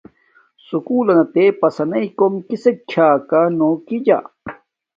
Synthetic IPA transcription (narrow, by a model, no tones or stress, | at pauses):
sukuːlɐnɐt̪epɐsɐnɐikomkisek̚t͡ɕʰaːkanoːkid͡ʑa̰